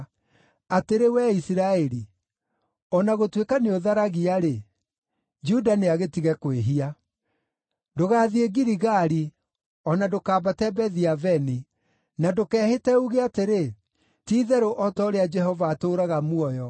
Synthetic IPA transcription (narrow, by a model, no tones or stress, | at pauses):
ateɾewɛisiɾaɛɾi | ɔnaɣotwekaneoðaɾaɣiaɾe | d͡ʒudaneaɣetiɣɛkweɦia | doɣaːðieɣiɾiɣaɾi | ɔnadokaːbatɛbɛðiavɛni | nadokɛːhetɛuɣeateɾe | tiːðɛɾoʔɔtɔoɾead͡ʒɛhɔvaːtoɾaɣamuɔjɔ